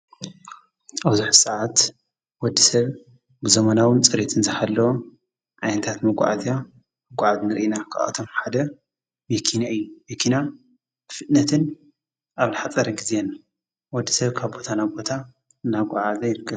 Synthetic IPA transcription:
aβzuħsɐʕat̪ | wɔd̪ːisɐβ | bɨzɐmɐnawɨnt͡sʼɨɾet̪ʰɨnzɨhalːɐwo | ʕajnɐt̪ʰat̪mɐɡʷʼa̰ʕa̰zja | mɨɡʷʼaʕaznɨɾʔinakʰa̰ʔa̰t̪ʰo̞mħad̪ɐ | mekʰinaɨjːumekʰina | bfɨt̪nɐt̪ʰɨn | ʔaβlɨħat͡sʼɐɾɐɡizenːa | wɔd̪ːisɐβkʰaβbo̞t̪ʰanabo̞t̪ʰa | ɨnaɡʷʼaʕazɐjɪɾɨkːɐ

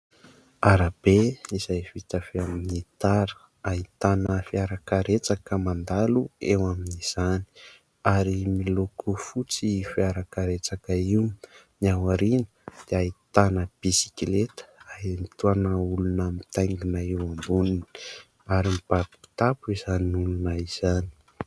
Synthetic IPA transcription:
aɾab̥eiz̥ajv̥it̪afeaminit̪aɾə̥ | ait̪anəfiaɾakaɾet͡sakəmand̪aluewaminiz̥ani̥ | aɾimilokʰufut͡sifiaɾakaɾet͡sakaiwniawaɾinəd̪̥eait̪anəb̥isi̥kilet̪ə̥anit̪uanəulunəmit̪ajŋɡinaewambunin | aɾimib̥abi̥i̥t̪apuizaniulunaiz̥ani̥

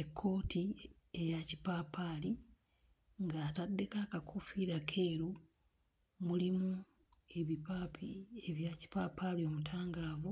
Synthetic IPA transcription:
e̞kʰːo̞ːti | e̞jaci̥paːpʰaːli | ŋɡaːtadːe̞kakakʰufiɾakʰe̞ːɾu | mulimu | e̞βipapieβjaci̥papalio̞mutʰaːŋɡaːvu

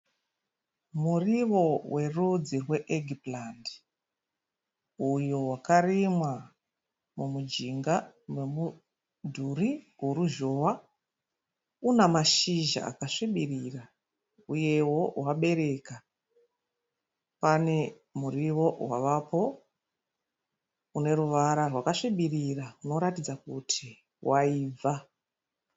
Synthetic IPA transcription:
muriʋo̞we̞rud͡zirwe̞ʔeɡʱiplandi | ujowakarimwa | mumud͡ʒiŋɡa | mwemu | dʱuriɡuɾuʒowa | unamaʃiʒa̰a̰kaʂiɓirira | uje̞wo̞waɓe̞ɾe̞ka | pane̞ | muriwo̞waʋapo̞ | une̞ɾuʋaɾarwakaʂiɓirirauno̞ɾatid͡zakutʰi | waiːva

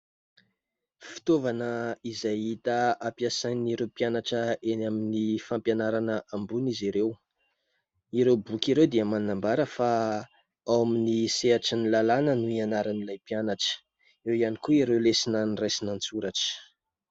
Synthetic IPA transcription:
fi̥t̪ovanəizajit̪əapiasajniɾewpianaʈ͡ʂəʔenaminifampjanaɾanəʔambuniziɾew | iɾewbukiɾewd̪iəmanambaɾəfa | awaminiseaʈ͡ʂənilalanənuianaɾanilajpianaʈ͡ʂə̥ | iwianikuiɾewlesinanrajsinant͡suɾaʈ͡ʂə̥

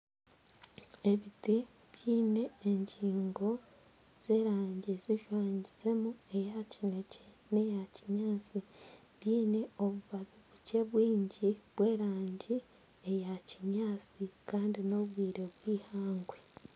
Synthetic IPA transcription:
e̞βiti | βjiːne̞ːɲɟiːŋɡo̞ | z̥e̞ːɾaːɲɟeziʃwaːɲiz̥e̞mue̞jacine̞ce | ne̞jaciɲaːt͡si | βjiːne̞o̞βuβaβuβuce̞βwiːɲɟiβwe̞ːɾaːɲɟi | ejaciɲaːt͡sikaːndino̞βwiːɾe̞βwiːhaːŋɡwe

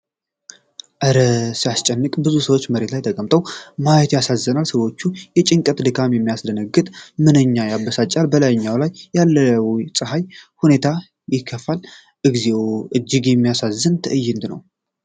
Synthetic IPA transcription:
ʔɨɾəsijast͡ʃʼɛnːɨkʼbɨzusəwot͡ʃːməɾe̞t̪lajt̪ʰəkʼəmt̪ʼəwmajɛt̪jasazːənalsəwo̞t͡ʃːujɛt͡ʃʼɪŋkʼət̪d̪ɨkʰamjɛmːijasd̪ənəɡɨt̪ʼmɨnɨɲːajabəsat͡ʃʼalbəlajɲːawlajːalːəsʼɨɦajhune̞t̪ʰa | jɪkʰːəfal | ʔɨɡze̞wʔɨd͡ʒːɪɡjɛmːijasazːɨnt̪ʰɨʔɨjːɪnd̪nə̰w

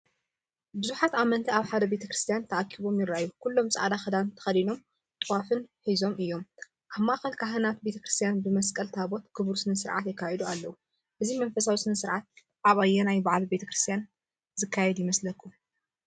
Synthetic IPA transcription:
bɨzuħat̪amɐnt̪ʰiaβħad̪ɐbe̞t̪ʰɐkɾɨst̪ʰjant̪ʰɐʔakʰːiβo̞mjɪɾaʔjːukulːo̞mt͡sʼɐʔa̰d̪axɐd̪ant̪ʰɐ̥xɐlino̞m | t̪ʼɨwafɨnħizo̞mɨjːo̞m | ʔaβmːaʔxɐlkʰaɦɨnat̪̚be̞t̪ʰɐkɾɨst̪ʰijanbɨmɐskʼɐlt̪ʰaβo̞t̪ɡɨβɾusɨnɐsɨɾʕa̰t̪jɛkʰːajɛd̪ualːɐwu | ʔɨzimɐnfɐsawisɨnɐsɨɾʕat̪̚ | ʔaβajːɛnajbaʕalbe̞t̪ʰɐkɾɨst̪ʰijan | zɨkʰːajɛd̪jɪmɐslɐkʰːu

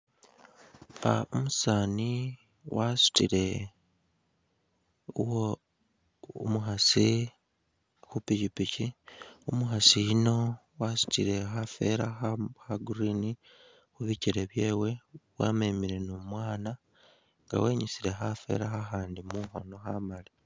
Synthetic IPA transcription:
aomusaːni | wasu̥tiɾe̞ | wo | muɦasi | hupiɟipiciomuɦasijino̞ | wasu̥tiɾe̞xafe̞̰ɾaxahaɡuɾini | xuβiciɾe̞βjeːwe̞wa̰ːmemiɾe̞nomwaːna | ŋɡa̰weːɲisiɾe̞xafe̞̰ɾaxaxaːndimuhonoxamali

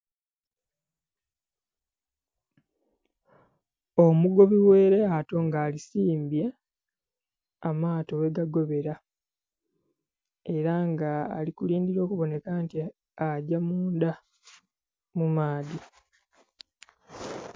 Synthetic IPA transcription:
omuɡo̞βiwe̞ːɾe̞ato̞ŋɡaːlisiːmbje | amaːtowe̞ɡaɡo̞βe̞ɾa | e̞ɾaŋɡa̰ːlikuliːndiɾo̞ːkuβo̞ne̞kanti | aɟamuːnda | mumaːdi

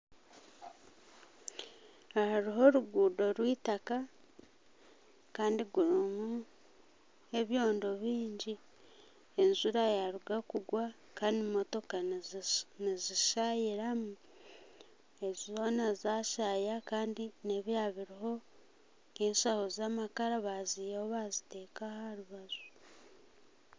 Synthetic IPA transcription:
ahaɾiɦo̞ɾuɡuːdo̞ɾwiːtaka | kaːndiɡuɾumu | e̞βjo̞ːndo̞βiːɲɟi | e̞nzuɾajaɾuɡakuɡwa | kaːndimːo̞to̞ka | niziʃajiɾamu | e̞zizo̞nazaʃajakaːndineβjaβiɾiɦo̞ | enʃahozamakaɾaβazijeoβazite̞ːkahaɾuβazu

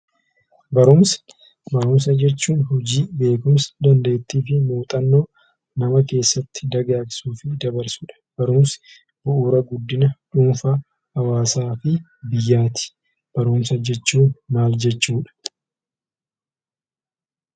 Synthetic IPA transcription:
bɐɾʊmsɪ̥ | bɐɾʊms̬ɐd͡ʒɛt͡ʃːuːnɦɔd͡ʒiːbe̞ːkʊmsɐ̥d̪ɐnd̪eːɪt̪ːiːfɪmoːt̪ʼɐnːo̞ː | nɐmɐke̞ːsːɐt̪ːɪd̪ɐɡaːksuːfɪd̪ɐbɐɾsʊᶑɐ̥b̥ɐɾʊmsɪ̥ | b̥ʊʔuːɾɐɡʊd̪ːɪnɐᶑuːnfɐ | hɐwaːsaːfɪ | bɪjːaːt̪ɪ̥ | b̥ɐɾʊmsɐd͡ʒɛt͡ʃːuːnmaːld͡ʒɛt͡ʃːuːᶑɐ̥

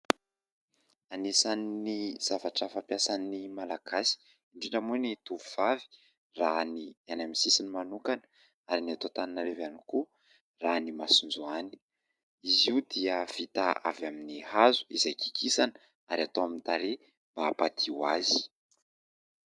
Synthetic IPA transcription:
anisaniniz̥avaʈ͡ʂəfampjasanimalaɡasi̥ | iɳɖ͡ʐiɖ͡ʐəmunit̪uvuv̥avi̥ | ranianamisisinimanukanə | aɾiniat̪ot̪aninaɾevaniku | ranimasund͡zuani̥ | iziud̪iəv̥it̪aa̰vjaminihazu̥izajkʰi̥kʰisanə | aɾiat̪oamint̪aɾe | mb̥apat̪ʰiwazi̥

